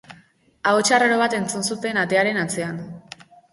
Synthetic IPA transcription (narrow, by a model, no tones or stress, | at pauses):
aot͡ʃaraɾo̞β̞at̪e̞nt͡sunsut̪e̞nat̪e̞aɾe̞nat͡se̞an